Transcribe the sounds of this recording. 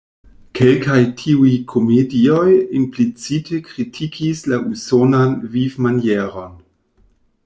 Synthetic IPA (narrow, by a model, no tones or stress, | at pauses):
kʰelkajtʰiujkʰomediojimplit͡sitʰekɾitʰikʰislaʔusonanvivmanjeɾo̞n